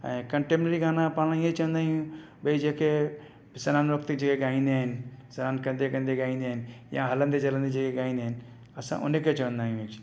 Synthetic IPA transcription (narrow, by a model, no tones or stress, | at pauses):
ɛ̰̃kəɳʈemnəɾiɡaːnapalãjẽt͡ʃə̃ə̃nd̪aːɦijũ | bəid͡ʒeke | sənaːnɾəkt̪id͡ʒekeɡaːĩnd̪eɦnsənaːnkə̃nd̪ekə̃nd̪eɡaĩnd̪eɦnjãɦələ̃nd̪ed͡ʒələ̃nd̪ed͡ʒekeɡãːĩnd̪en | əsã̰ʔo̰neket͡ʃəə̃nd̪aːɦjũekt͡ʃʰ